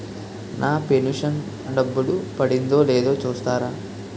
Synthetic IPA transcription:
nʔaːpenuʂɐn | ɳɖɐbːuɽupɐɽind̪o̞ːleːd̪o̞ːt͡ʃuːst̪aːɾaː

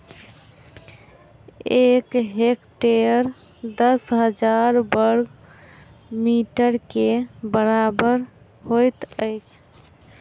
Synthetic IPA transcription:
ekɦekʈeəɾ | d̪əsɦəd͡ʒaɾbəɾɡ | miʈəɾkebəɾabəɾ | ɦojt̪əjt͡ʃʰ

